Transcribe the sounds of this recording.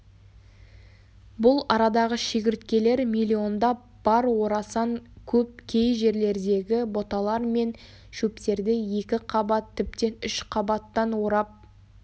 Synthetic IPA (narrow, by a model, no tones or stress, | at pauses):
bʊlˠɑɾɑd̪ɑʁəʃeɡʲɪɾt̪kʲe̞le̞ɾmilʲio̞nd̪ɑ | b̥ɑɾwo̞ɾɑsɑŋkʲʰɵp̚kʲʰe̞jʒe̞ɾle̞ɾd̪e̞ɡʲɪbo̞t̪ɑlˠɑɾme̞n | ʃɵpt̪e̞ɾd̪ɪje̞kʲɪqʰɑbɑt̪ʰːɪp̚t̪e̞ʏʃqʰɑbɑt̪ːɑnwoɾɑp̚